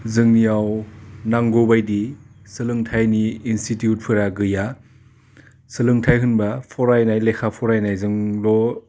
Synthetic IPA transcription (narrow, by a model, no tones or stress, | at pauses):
zɯŋnijawnaŋɡobajdi | sɯlɯŋtʰajniːnstitjut̚pʰɯɾaɡɯja | sɯlɯŋtʰajɦɯnbapʰɔɾajnajlekʰapʰɔɾajnajzɯŋlɔ